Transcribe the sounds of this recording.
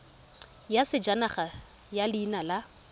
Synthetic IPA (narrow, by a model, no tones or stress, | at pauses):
jasɪd͡ʒanaχa | jaliːnala